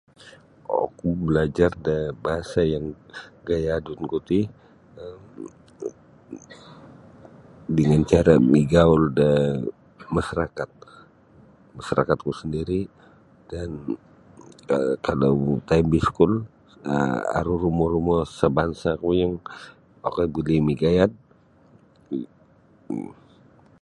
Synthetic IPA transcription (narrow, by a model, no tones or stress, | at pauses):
ɔ̰kubəlad͡ʒardabaɦasajaŋɡajadunkut̪i | əm | dəŋant͡ʃaɾamiɡaʊlda | maʃaɾakat̪̚ | maʃaɾakat̪̚kusəndiɾi | d̥an | kalawt̪aimbiskʊl | ə̰a̰ɾuɾumɔɾumɔsəbansakujaŋ | a̰kajbulimiɡajat̪̚